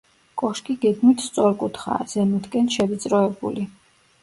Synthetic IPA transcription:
kʼɔʃkʼiɡɛɡ̪mit̪ʰst̪sʼɔɾkʼut̪ʰχa̰z̥ɛnut̪kʼɛnʃɛvit̪sʼɾɔɛbṵli

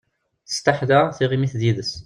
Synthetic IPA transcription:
θə̥st̪aħðəθiʁimiθðiðəs

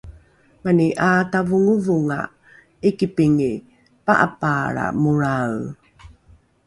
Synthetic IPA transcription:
maniʔatavuŋuvuŋa̰ | ikipiŋi | paʔa̰paɾa̰muɹaw

